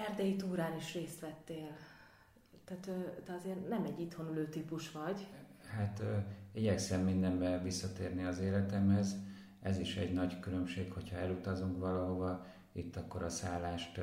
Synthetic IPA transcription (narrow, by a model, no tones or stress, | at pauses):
ɛrd̪ɛjit̪uːɾaːniʃreːst̪ʋɛt̪ːeːl | t̪æt̪ød̪ɛɒzeːrnɛmɛɟːit̪ho̞nyløːt̪ipuʃʋɒɟhat̪iɟɛksɛmːind̪ɛmbɛvisːɒt̪eːrniɒzeːlɛt̪ɛmhɛz | ɛziʃɛɟnɒɟkylømʃeːkho̞chɒɛlut̪ɒzuŋkʋɒlɒɦo̞vɒ | it̪ːɒkːoɾɒsaːlːaːʃt̪